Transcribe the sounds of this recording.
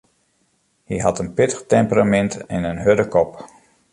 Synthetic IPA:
hiɦɑtənpɪtə̥xtɛmpəramɛntɛnənɦødəkɔp

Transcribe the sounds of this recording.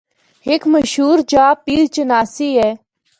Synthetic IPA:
ɦɪkməʃɦuːɾd͡ʒaːpiːɾt͡ʃənaːsiːɦɛː

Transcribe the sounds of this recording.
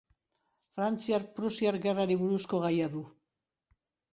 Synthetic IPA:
fɾant͡siaɾpɾusiaɾɣeraɾiβuɾusko̞ɣajaðu

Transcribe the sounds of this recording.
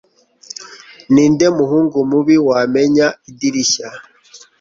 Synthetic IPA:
niːnde̞muɦuːŋɡumuβiwaːmeɲaidiɾiʃa

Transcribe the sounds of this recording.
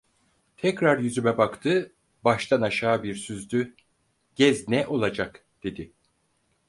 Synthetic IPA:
t̪ʰɛcɾaɾjyzymɛbakt̪ʰɯ | baʃt̪ʰanaʃaːbiɾsyzd̪y | ɟ̥ɛznɛʔo̞lˠad͡ʒak | d̪̥e̞d̪ɪ

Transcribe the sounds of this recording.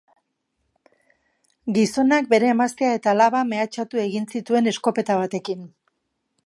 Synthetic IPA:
ɡiso̞nak̚be̞ɾe̞ːmast̪eae̞t̪alaβame̞at͡ʃat̪ue̞ɣinsit̪ue̞ne̞sko̞pe̞t̪aβ̞at̪e̞kin

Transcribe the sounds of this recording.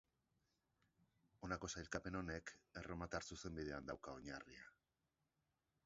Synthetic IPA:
o̞nako̞sajlkape̞no̞ne̞ke̞romat̪aɾsuse̞mbið̞e̞and̪awkao̞ɲaria

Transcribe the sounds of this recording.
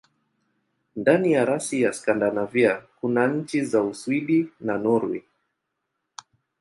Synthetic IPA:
ndanijaɾasijaskandanaviakunaɲ̩t͡ʃizauswiɗinanuɾwi

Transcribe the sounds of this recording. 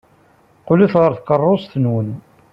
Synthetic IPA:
qʊliθʁəɾθkərˤːosθənwən

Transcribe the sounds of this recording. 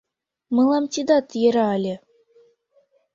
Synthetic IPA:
mɤlˠɑmt̪ʲid̪ɑt̪jeɾɑːlʲĕ

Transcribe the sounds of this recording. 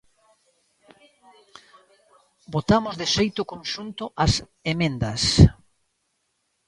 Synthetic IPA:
bot̪amʊzðeʃejt̪ʊkonʃunt̪ʊʔas | emẽnd̪ɐs

